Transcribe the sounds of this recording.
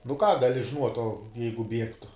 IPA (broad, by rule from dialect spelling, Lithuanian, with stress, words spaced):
nʊ kɑː ɡɐˈlʲɪ ʒʲɪˈnuɔtʲ oː ˈjɛɪɡʊ ˈbʲiɛktʊ